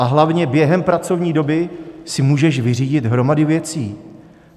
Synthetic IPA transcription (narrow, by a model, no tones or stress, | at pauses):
ʔaɦlavɲɛbjɛɦɛmpɾat͡so̞vɲiːdo̞bɪsɪmuːʒɛʃvɪriːɟɪt̪ɦɾo̞madɪvjɛt͡siː